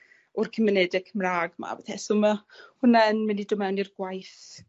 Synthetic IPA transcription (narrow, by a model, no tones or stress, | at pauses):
ɔrkʰəmənɛdɪkʰəmraːɡma̰bɛθɛsʊmahʊnaənmənidʊmɛwnirɡ̥wajθ